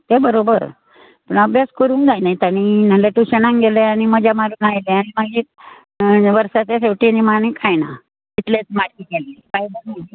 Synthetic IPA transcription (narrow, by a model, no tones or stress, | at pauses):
t̪ebəɾobəɾ | pəɳəbʱjaskəɾũːnd͡zajnait̪aɽ̃imaleʈuɕənãŋɡeleaɽ̃iməd͡ʑʱjamaɾunajlẽaɽ̃imaɡiː | ʋəɾsat͡seseʋʈinimaɳĩkʰajna̰ | it̪let͡smaʈkikelekaibəɾna